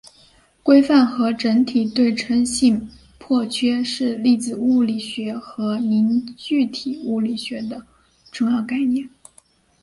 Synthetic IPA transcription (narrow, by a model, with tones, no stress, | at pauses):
kwe˥ɪfa˥˩nxɤ˧˥ʈ͡ʂə˧˥nt̪ʰi˨˩t̪we˥˩ɪʈ͡ʂʰə˧˥ŋɕi˥˧n | pʰwɔ˥˩t͡ɕʰɥɛ˥ʂɻ̩˥˧li˥˩d͡zɹ̩˨˩u˥˩li˨˩ɕɥɛ˧˥xɤ˧˥ni˧˥nt͡ɕy˥˩t̪ʰi˨˩u˥˩li˨˩ɕɥɛ˧˥d̪ə˧ | ʈ͡ʂʊ˥˧ŋjɑ˥˧ʊka˥˧ɪnjɛ˥˩n